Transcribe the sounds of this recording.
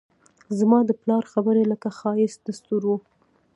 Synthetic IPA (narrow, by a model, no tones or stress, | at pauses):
zmɑd̪əplɑɾxabəɾeləkaxɑjɪsd̪̥ast̪uɾwu